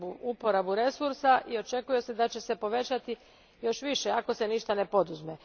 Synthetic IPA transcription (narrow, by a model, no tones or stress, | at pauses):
buʔupo̞ɾabuɾe̞suɾsaʔio̞t͡ʃe̞kuje̞se̞d̪at͡ɕe̞se̞po̞ʋe̞t͡ɕat̪i | jo̞ʃʋiʃeako̞se̞niʃt̪ane̞po̞d̪uzme